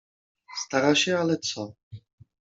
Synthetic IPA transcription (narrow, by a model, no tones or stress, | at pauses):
st̪aɾaɕɛalɛt̪t͡sɔ